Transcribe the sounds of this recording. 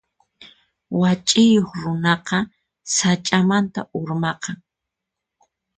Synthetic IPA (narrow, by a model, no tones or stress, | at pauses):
wat͡ʃʼɪjoχɾʊnɑqɑ | sat͡ʃʼamant̪aʔʊɾmɑqɑŋ